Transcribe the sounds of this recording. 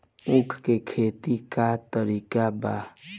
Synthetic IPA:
ʊ̃kʰkekʰeːt̪ikat̪əɾiːkaba

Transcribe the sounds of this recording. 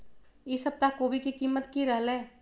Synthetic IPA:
ɪsəb̚t̪akoːbikikiːmːət̪kiɾəɦleː

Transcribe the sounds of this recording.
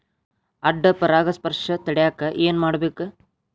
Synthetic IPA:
ɐɖːɐpɐɾaːɡɐspɐɾʂɐt̪ɐɽɛjaːkːɐʔeːnmaːɽɐbeːkɨ

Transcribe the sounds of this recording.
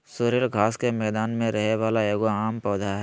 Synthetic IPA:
soːɾelɡʱaːskemɛːd̪aːnmẽɾɐɦeʋaːlaeːɡoaːmpɔːd̪ʱaɦɛ

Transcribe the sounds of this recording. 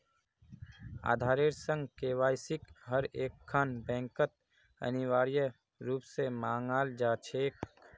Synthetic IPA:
a̰ːd̪ʱaːɾeːɾsə̃ŋɡkeːʋaːjsɪkɦəɾeːkʰːanbɛ̃ːŋkət̪̚ | ə̰nɪʋaːɾjə | ɾuːpsemaːŋaːld͡ʒaːt͡ʃʰeːk

